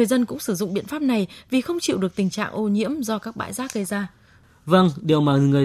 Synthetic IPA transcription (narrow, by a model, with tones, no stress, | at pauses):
ɨ˨əjzə˧nkʊ̰˧˥ŋ͡msɨ˧˩zʊ̰˧˨ŋ͡mɓḭ˧ənfaː˦˥p̚na˨˩jvi˨˩xə˧wŋ͡mt͡ɕḭ˧˨wɗɨ˨˩ək̚t̪ï˨˩ŋ̟t͡ɕa̰ː˧˨ŋʔo˧ɲḭ˧˥əmzɔ˧kaː˦˥k̚ɓa̰ː˧˨jzaː˨˦˥ɣə˧jzaː˧ | və˧˩ŋɗi˨˩əwmaː˨˩ŋɨ˨˩ə